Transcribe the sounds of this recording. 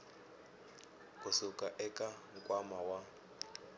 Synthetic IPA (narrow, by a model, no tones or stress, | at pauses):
usukʼaʔɛkʼaŋ̩kʼwamawa